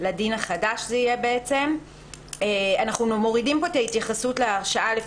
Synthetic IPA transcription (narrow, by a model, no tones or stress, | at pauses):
ladinaχadaʃzɛijebeet͡se̞m | eanaχnummo̞ʁidimpo̞etait̪jaχasutleaʁʃaale